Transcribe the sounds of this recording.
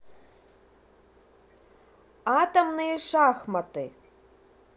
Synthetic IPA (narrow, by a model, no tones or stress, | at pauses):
at̪ɐmnɨjɛʂaxmɐt̪ɨ